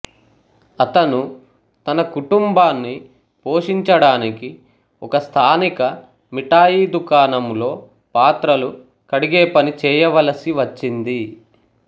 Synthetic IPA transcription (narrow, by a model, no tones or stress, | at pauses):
ɐt̪ɐnu | t̪ɐnɐkuʈumbaːnːi | poːʂiɲt͡ʃɐɽaːniki | ɔkɐst̪ʰaːnikɐ | miʈaːjiːd̪ukaːnɐmlo̞ː | paːt̪ɾɐlu | kɐɽiɡeːpɐnit͡ʃɛːjɐʋɐlɐsiʋɐt͡ʃːind̪i